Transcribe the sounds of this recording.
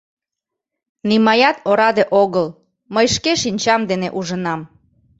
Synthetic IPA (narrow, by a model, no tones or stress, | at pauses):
nimɑjɑt̪oɾɑd̪eʔoɣəl | məjʃkeʃinʲt͡ɕɑmd̪eneʔuʒənɑm